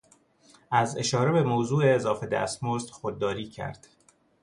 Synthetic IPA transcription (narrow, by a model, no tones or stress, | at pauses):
æze̞ʃɒːɾebe̞mowzuːeːzɒːfed̪æ̰st̪most̪xod̪̚ːɒːɾiːcʰæ̰ɾd̪̥